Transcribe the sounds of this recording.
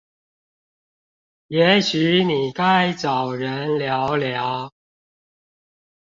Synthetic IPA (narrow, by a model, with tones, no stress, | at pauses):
jɛ˨˥ɕyː˨˥ni˨˩ka˥jt͡sɐ˨˩wɻə˨˥nljɔ˨˧˥wljɑ˨˥w